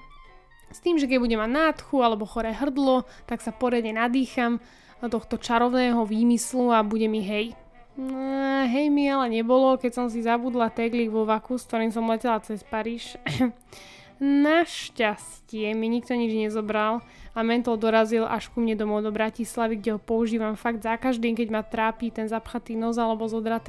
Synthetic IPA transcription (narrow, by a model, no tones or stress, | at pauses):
st̪iːmʒɛk̬ɛɟ̚buɟɛmaɟnat̪xualɛbɔxɔɾɛːɦr̩d̪lɔt̪aksapɔɾɪad̪ɲɛnad̪iːxam | t̪ɔxt̪ɔt͡ʃaɾɔʊnɛːɦɔʋiːmisluabuɟɛmiɦɛj | ɦɛjmialɛɲɛbɔlɔkɛcsɔms̬izabud̪lat̪ɛɡliʋɔʋakusk̚t̪ɔɾiːms̬ɔmlɛcɛlat͡sɛspaɾiːʃ | naʃcas | cɪɛmiɲikt̪ɔɲid͡ʒɲɛzɔbɾal | amɛnt̪ɔld̪ɔɾazilʔa̰ʃkumɲɛd̪ɔmɔʊd̪ɔbɾacislaʋiɡɟɛɦɔpɔuʒiːʋamfaɡ̚d̪zakaʒd̪iːmkɛɟmat̪ɾaːpiːt̪ɛnzapxat̪iːnɔzalɛbɔzɔd̪ɾat̪